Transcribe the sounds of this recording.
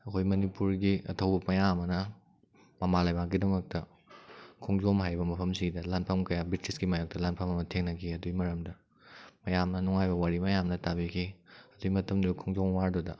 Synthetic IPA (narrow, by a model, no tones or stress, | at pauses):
ɐkʰojmɐnipuɾɡiɐ̰tʰɐwbɐmɐjamɐnɐ | mɐmalajbakɡidɐmɐk̚tɐ | kʰɔŋzomɦajbɐmɐpʰɐmsidɐlanpʰɐmkɐjabitɾisɡimajok̚tɐlanpʰɐmɐmɐtʰeŋnɐkʰiɐdujmɐɾɐmdɐ | mɐjamnɐnuŋajbɐwaɾimɐjamnɐtabikʰiɐdujmɐtʰɐmdukʰɔŋzomwaɾdodɐ